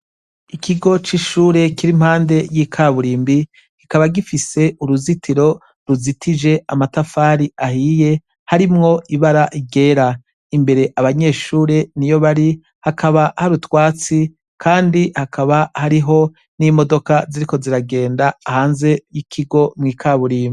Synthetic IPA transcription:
ikʰiɡo̞t͡ʃiʃuːɾe̞kiɾim̥haːnde̞jiːkʰaːβuɾiːmbi | kikaβaɡifise̞uɾuzitʰiɾo̞ | ɾuzitʰid͡ʒe̞amatafaːɾiʔahiːje̞ | haɾimŋo̞iβaɾaʔiɡe̞ːɾa | imbe̞ɾe̞ʔaβaɲe̞ːʃuːɾe̞nijo̞βaɾi | hakʰaβahaɾutwaːt͡si | kʰaːndihakʰaβahaɾiɦo̞ | nimo̞do̞kaziɾiko̞ziɾaɡe̞ːndaːhaːnze̞jikʰiɡo̞mŋiːkʰaβuɾiːmbi

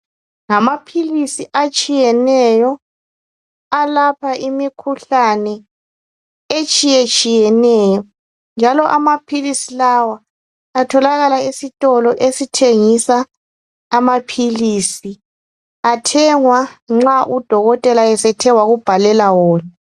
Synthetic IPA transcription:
ŋamapʰilisiʔat͡ʃʼijɛnɛjɔ | alapʰaʔimikʰuɬanɛ | et͡ʃʼijet͡ʃʼijɛnɛjɔ | nd͡ʒʱalɔʔamapʰilisilawaː | tʰɔlaɣalaisitʼɔlɔʔesitʰeŋisaː | mapʰilisi | atʰɛŋwaŋ͡ǁaʔud̥ʱɔɣɔtʼɛlaɛsɛtʰɛwaɣub̥ʱalɛlawɔːna

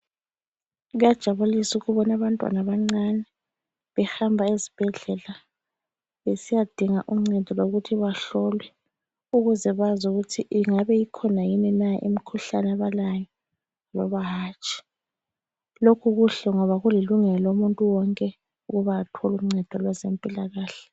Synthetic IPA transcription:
ɣujad̥ʒ̥ʱaβulisuɣuβɔnaβantʼwa̰naβaŋ͡ǀanɛ | βɛhambʱaezib̥ʱɛɮɛla | βesijad̥ʱiŋaʔum̩ŋ͡ǀɛd̥ʱɔloɣutʰiβaɬɔlwɛ | uɣuzɛβazuɣutʰiʔiŋaβɛjikʰɔnajinɛnaʔḭm̩kʰuɬanaβalajɔ | lɔ̰βaɦaːt͡ʃʰʼi̥ | lokʰuɣuɬɛŋɔβaɣuliluŋɛlɔumuntʼuwɔŋkʼɛ | uɣuβaːtʰɔlum̩ŋ͡ǀɛd̥ʱɔlwɛzempʼilaɣaːɬɛ̥

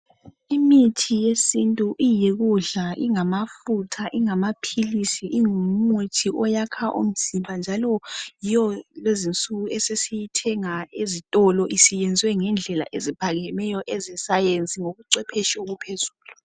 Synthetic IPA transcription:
imitʰijesintʼuʔijeɣuɮaʔiŋamafutʰaʔiŋamapʰilisiʔiŋumutʰiʔɔjakʰaʔo̰m̩z̥imbʱand͡ʒʱalɔjijɔlezint͡sʼuɣuɛsesijitʰɛŋaezitʼɔlɔʔisijɛnd͡zʱwɛŋɛnd͡ɮʱɛla̰ʔezipʰaɣɛmɛjɔʔɛzɛsajent͡sʼiŋoɣuǀɛpʰɛʃoɣupʰezuːlu

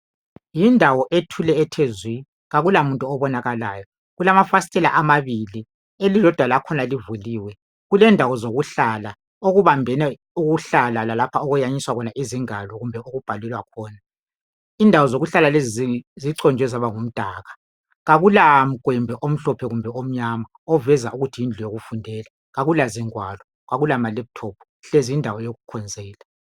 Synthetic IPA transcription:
jindʱawɔʔetʰulɛːtʰezwi | ɣaɣulamuntʼuɔβɔnaɣalaːjɔ | ɣulamafastʼɛla̰ʔamaβili | elilɔd̥ʱwalakʰɔnalivuliːwɛ | ɣulɛndʱaɣɔzoɣuɬala | oɣuβambʱɛnɛ | uɣuɬalalalapʰaɔɣujaɲiswaɣɔnaʔiziŋalɔɣumbʱɛoɣub̥ʱalɛlwakʰɔːna | indʱawɔzoɣuɬalalezizziǀɔnd͡ʒʱɛzaβaŋum̩d̥ʱaːɣa | ɣaɣulam̩kʼwɛmbʱɛʔom̩ɬɔpʰɛɣumbʱɛom̩ɲama | ɔvɛzauɣutʰiind͡ɮʱujoɣufundʱɛːla | ɣaɣulaziŋwaːlɔ | ɣaɣulamalɛβutʰɔːpʰɔ̥ | ɬeziindʱawɔjoɣukʰɔnd͡zʱɛːla

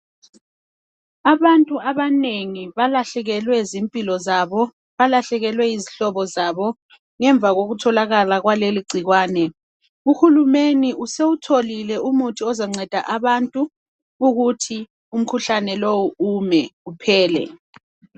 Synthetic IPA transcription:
aβantʼuaβaneŋiβalaɬɛɣɛlwɛzimpʼilɔzaβɔ | βalaɬɛɣɛlwɛiziɬɔβɔzaβɔ | ŋɛɱb̪vʱaɣoɣutʰɔlaɣalaɣwaleliɡ͡ǀʱiɣwaːnɛ | uxulumeniʔuseutʰolilɛumutʰiɔzaŋ͡ǀɛd̥ʱaʔaβantʼuː | ɣutʰi | um̩kʰuɬanɛlowuumɛupʰɛːlɛ̰

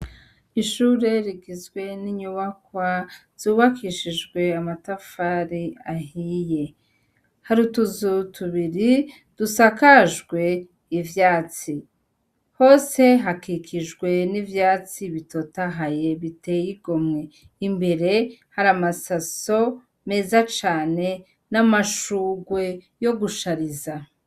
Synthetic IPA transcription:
iʃuːɾe̞ɾiɡizɡwe̞niɲuβakwaz̥uːβakʰiʃiʒɡwe̞amatafaɾiaɦije̞ | haɾutuzutʰuβiɾi | d̥usakaʒɡwe̞ | ivjaːt͡si | ho̞ːse̞ɦakikʰiʒɡwe̞nivjaːt͡siβito̞taɦaje̞βite̞jiɡo̞mŋe̞ | imbe̞ɾe̞haɾamasaso̞ | me̞ːzat͡ʃaːne̞ | namaʃuːɡwe̞ | jo̞ɡuʃaɾiza

